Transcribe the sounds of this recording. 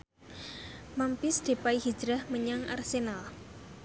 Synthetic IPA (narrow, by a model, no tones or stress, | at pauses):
mampɪsd̪̥e̤paiɦi̥d͡ʒɾahməɲaŋa̰rsenal